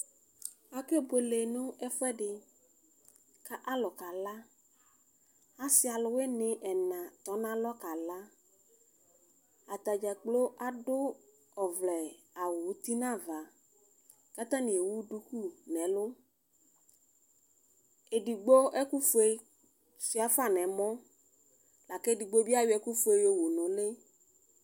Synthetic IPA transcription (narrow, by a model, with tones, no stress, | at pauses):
a˨ke˦˨bo˨le˨nʊ̃˦ɛ˦fɛ˦ɖɪ˨ | ka˦ʔa˦lɔ˨ka˨la˦ | a˦sɪ˦a˨lʊ˨˦we˦nɪ̃˨ʔɛ˨nã˨t̪ɔ˨˦nã˦lɔ˦ka˨la˦ | a˨t̪a˨d͡ʒa˨k͡plo˦ʔa˨ɖʊ˦ | ɔ˨vlɛ˨ | a˨wʊ˨˦t̪i˦nã˦˨va˨ | ka˦t̪ã˦nɪ̃˨e˨wu˦ɖu˦ku˦nɛ̃˨˦lʊ˦ | e˨ɖi˨ɡ͡bo˦ɛ˦ku˦fo˦e˦ | si˨˦a˨fa˦˨nɛ̃˨mɔ̃˦ | la˨kɛ˦˨di˨ɡ͡bo˦bi˦a˦jʊ˦ɛ˦ku˦fʊ˦e˨jo˨wo˨nʊ̃˨le˦